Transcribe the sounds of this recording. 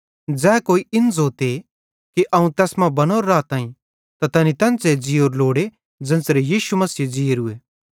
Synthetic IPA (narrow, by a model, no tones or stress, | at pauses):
d͡zɛːkoːiɪnd͡zoːt̪e | kiʔɐũt̪ɛːsmãbɐnoːɾːaːt̪ãːĩ | t̪at̪ɐnit̪ɐ̃nt͡sed͡ʒiːoːɾloːɽe | d͡zɐ̃nsɾejiːʃumɐsiːd͡ʒiːeɾʊe